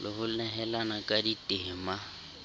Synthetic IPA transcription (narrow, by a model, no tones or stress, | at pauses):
lɪhʊnɛɦɛlanakʼaditʼɪːma